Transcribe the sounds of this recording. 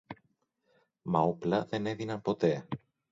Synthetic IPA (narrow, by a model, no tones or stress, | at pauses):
mɐoplɐðe̞ne̞ðinɐnpo̞t̪e̞